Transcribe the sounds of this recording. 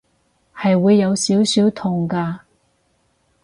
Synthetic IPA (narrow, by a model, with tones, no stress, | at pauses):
hɐ˨jwuː˨˧jːɐ˨˧wsiː˨˥wsiː˨˥wt̪ʰʊ˨˩ŋkaː˧